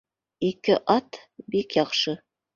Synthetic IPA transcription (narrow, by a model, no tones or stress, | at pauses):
ikɘʔɑt̪bikjɑqʃɤ